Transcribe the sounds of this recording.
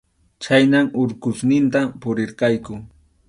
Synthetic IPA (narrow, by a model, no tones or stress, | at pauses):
t͡ʃajnamʊɾkʊsnɪnt̪apʊɾɪɾqɑjkʊ